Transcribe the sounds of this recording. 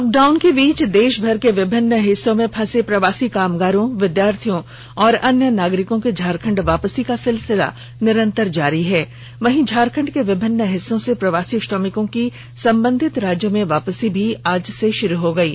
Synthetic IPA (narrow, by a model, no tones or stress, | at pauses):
lɔːk̚ɖaːʊnkeʋiːt͡ʃd̪eːʃbʱɐɾkeʋɪbʱɪnːəɦɪsːõmẽpʰɐ̃sepɾɐʋaːsikaːmɡaːɾõʋɪd̪jaːɾt̪ʰijõ | ɔːɾɐnjənaːɡɾɪkõked͡ʒʱaːɾkʰə̃ɳɖʋaːpəsikasɪlsɪla̰ | nɪɾə̃nt̪əɾd͡ʒaːɾiɦɛː | ʋɐɦĩd͡ʒʱaːɾkʰə̃ɳɖkeʋɪbʱɪnːəɦɪsːõsepɾɐʋaːsisʈɔːmɪkõki | sɐ̃mbə̃nd̪ʱɪt̪ɾaːd͡ʒjəmẽʋaːpəsibʱiaːd͡ʒseʃʊɾuɦoɡɐiː